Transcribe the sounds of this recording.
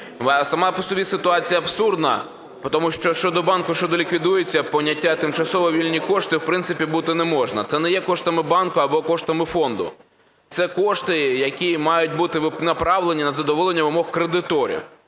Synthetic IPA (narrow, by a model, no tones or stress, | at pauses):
sɐmɑpɔsɔbʲisɪt̪ʊɑt͡sʲijɐːbsurd̪nɐ̰ | pɔt̪ɔmuʃt͡ʃɔʃt͡ʃɔd̪ɔbɑnkʊʃt͡ʃɔd̪ɔlʲikʋʲid̪ujet͡sʲːɐpɔnʲɐtʲːat̪ɪmt͡ʃɐsɔʋɔʋʲilʲnʲikɔʂt̪ɪwpɾɪnt̪sɪpʲibut̪ɪnɛmɔʒnɐ̰t̪sɛnɛjɛkɔʃt̪ɐmɪbɑnkʊɐbɔkɔʃt̪ɐmɪfɔnd̪ʊ̰ | t̪sɛkɔʃt̪ɪjɐkʲimɑjʊt̚ʲbut̪ɪʋɪnɐpɾɑʋlˠenʲinɐzɐd̪ɔʋɔlˠenʲːɐʋɪmɔxkɾed̪ɪt̪ɔɾʲḭw